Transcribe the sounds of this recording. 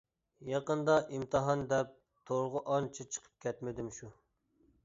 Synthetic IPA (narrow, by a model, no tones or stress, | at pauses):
jɑqənd̪ɑʔimt̪ʰɨɦɑnd̪ɛp̚ | t̪ʰoɾʁəʔɑnt͡ʃʰit͡ʃʰə̥qʰə̥p̚kʲʰɛt̪mɪd̪ɪmʃu